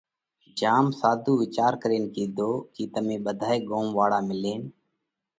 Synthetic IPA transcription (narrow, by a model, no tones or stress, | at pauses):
d͡ʒaːmsaːd̪ʱuːʋɪt͡ʃaːɾkəɾeːnkiːd̪ʱoːkiːt̪əmẽːɓəd̪ʱaːeːɡoːmʋaːɽaːmɪleːn